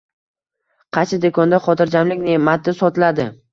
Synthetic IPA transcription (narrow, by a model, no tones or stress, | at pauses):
qʰɑt͡ʃʰɪd̪ekʰɒnd̪aχɒt̪ʰɪɾd͡ʒamlɪkʲnemat̪ːɪsɒt̪ʰɪlad̪ɪ